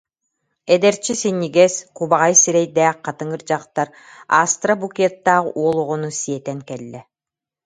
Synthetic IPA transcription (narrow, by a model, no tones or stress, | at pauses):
ɛd̪ɛɾt͡ɕisinːiɡɛskuβaʁajsiɾɛjd̪æːq̚qːɑt̪ɯŋɯɾd͡ʑaqt̪aɾ | a̰st̪rabukʲɛt̪ːaːʁuɔlˠuʁunusiɛt̪ɛŋkɛlːɛ